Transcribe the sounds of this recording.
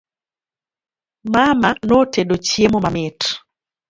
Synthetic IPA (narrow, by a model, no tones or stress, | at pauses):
mamanɔteɗot͡ʃjemomamɪt